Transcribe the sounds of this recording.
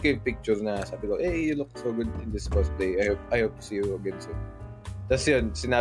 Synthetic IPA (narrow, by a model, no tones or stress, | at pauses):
kɐjʊŋpɪk̚t͡ʃʊɹnɐsaːbɪkoʔɛjʊlʊk̚soɡʊd̪ɪnd̪ɪsfɛs̚pleɪajhop̚ʔajhoʊp̚t̪ʊ̥siːjuɐɡɛnsɪ | t̪ɐsjansɪnaː